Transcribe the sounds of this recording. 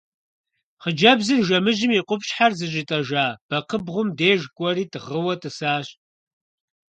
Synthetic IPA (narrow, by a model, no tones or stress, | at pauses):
χəd͡ʒɐbzɨrʒɐmɨʒɪmiqʷʊpɕħarzɨʑɪtʼɐʒaːb̥ɐqəbʁʷʊmdeːʒkʷʼɔriːtʰɨʁəwɐtʰʼɨsaːɕ